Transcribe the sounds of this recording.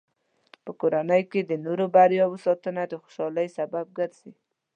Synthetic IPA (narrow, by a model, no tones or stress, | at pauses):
pəkoɾanəjked̪ənoɾobaɾjɑwəsɑt̪ənad̪əxo̥ʃɑləjsabab̚ɡəɾz̥i